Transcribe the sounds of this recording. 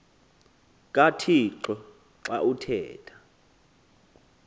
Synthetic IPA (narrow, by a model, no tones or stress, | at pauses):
k̬ʼatʰiǁɔ | ǁa̰ʔutʰɛ̰ːtʰʼḁ